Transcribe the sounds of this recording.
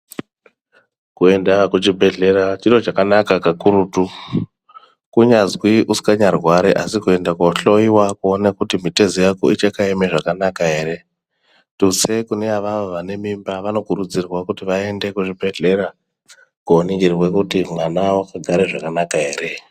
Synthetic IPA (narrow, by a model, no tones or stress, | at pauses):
kue̞ndakut͡ʃibʱe̞ɮe̞ɾat͡ʃiro̞t͡ʃakanakakakuɾutu | kuɲazwiʔusi̥kaɲarwaɾiʔasikue̞ndakoɬo̞iwakuonakutimite̞zijako̰it͡ʃekaemeʐakanakaɦe̞ːɾe̞ | tusekuneaʋaʋaʋane̞mimbaʋano̞kuɾud͡zirwakutiʋae̞nde̞kuʐibʱe̞ɮe̞ɾa | kuoniɡirwekutimwanawakaɡʱaɾeʐakanakaɦe̞ːɾe̞